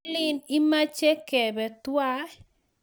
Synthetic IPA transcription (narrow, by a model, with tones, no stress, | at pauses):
lɪ˦ni˦ma˦t͡ʃe˦kɛ˨bɛ˨t̪wa˦